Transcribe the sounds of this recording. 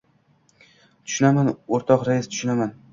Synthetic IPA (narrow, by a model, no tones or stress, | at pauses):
t̪ʰʊ̥ʃʊnamanoɾt̪ʰɒqɾajist̪ʰʊ̥ʃʊnaman